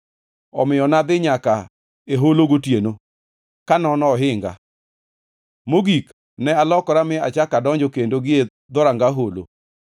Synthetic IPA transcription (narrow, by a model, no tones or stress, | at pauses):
ɔ̰mɪɔnad̪ɪɲaka | eɦoloɡotjeno | kanɔnɔɦɪŋɡa̰ | moɡik | nɛalɔkɔɾamɪa̰t͡ʃakadɔɲd͡ʒɔkendoɡɪe | d̪ɔɾaŋɡaɦolo̰